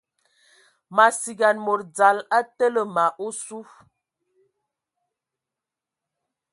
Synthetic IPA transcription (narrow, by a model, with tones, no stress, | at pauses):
ma˨si˨ɡa˨nmo˨ɾd͡za˨la˦tə˦lə˨ma˨ʔo˦su˦f